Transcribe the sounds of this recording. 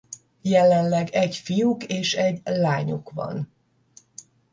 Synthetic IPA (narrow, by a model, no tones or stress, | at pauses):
jɛlɛnlɛɡɛcfijukeːʃɛɟlaːɲukvɒ̰n